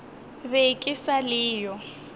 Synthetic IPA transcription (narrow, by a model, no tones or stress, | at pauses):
bekʼɪsalɪːjɔ